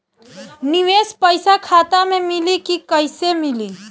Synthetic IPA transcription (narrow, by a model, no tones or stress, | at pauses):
nɪʋeːspəɪsakʰaːt̪amẽmɪlikikəɪsemɪliː